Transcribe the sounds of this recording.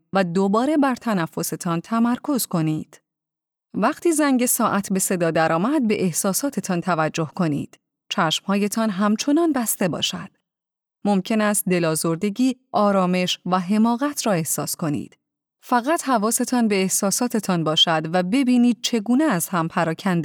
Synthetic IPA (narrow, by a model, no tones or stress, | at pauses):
væd̪o̞bɒːɾe̞bæɾt̪ʰænæfːo̞se̞t̪ʰɒnt̪ʰæmæɾkʰo̞z̥ko̞niːd̪̥ | væχt̪ʰiːzæŋɟe̞sɒːʔæt̪ʰbe̞se̞d̪ɒːd̪æɾɒːmæd̪̚be̞ʔehsɒːsɒːt̪ʰe̞t̪ʰɒnt̪ʰævæd͡ʒːo̞hkʰo̞nḭːd̪̥ | t͡ʃʰæʃmhɒːje̞t̪ʰɒnɦæmt͡ʃʰo̞nɒnbæst̪e̞bɒ̰ːʃæd̪̥ | mo̞mcʰe̞næst̪̚d̪e̞lɒːzo̞ɾd̪e̞ɟiːʔɒːɾɒːme̞ʃvæɦe̞mɒːɣæt̪ʰɾɒːe̞hsɒːsko̞nḭːd̪̥ | fæɣæt̪hævɒːse̞t̪ʰɒnbe̞ːhsɒːsɒːt̪ʰe̞t̪ʰɒnbɒːʃæd̪væbe̞biːniːd̪̥̚t͡ʃʰe̞ɡuːneæzhæmpʰæɾɒːcʰænd̪e